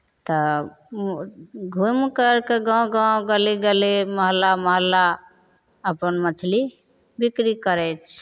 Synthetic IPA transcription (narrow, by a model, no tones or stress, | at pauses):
t̪ə | ɡʱumkəɾkeɡãwɡãwɡəliɡəliməɦlːaməɦəlːa | əpənmət͡ʃʰli | bikɾikəɾɛt͡ʃʰ